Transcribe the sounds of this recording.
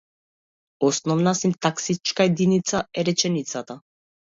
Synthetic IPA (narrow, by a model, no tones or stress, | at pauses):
ɔsnɔvnasint̪aksit͡ʃkaɛd̪init̪saɛɾɛt͡ʃɛnit̪sat̪a